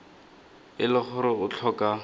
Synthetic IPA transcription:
ɪlɪχʊɾɪʊt͡ɬʰɔka

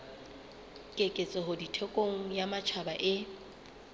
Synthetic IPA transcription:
kʼekʼet͡sʼɪɦʊditʰekʼoŋ̩jamat͡ʃʰabaʔɪ

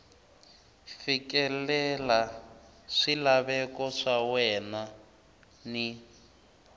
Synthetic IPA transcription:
fikɛlɛla | ʂilaβɛkɔʂawɛna | ni

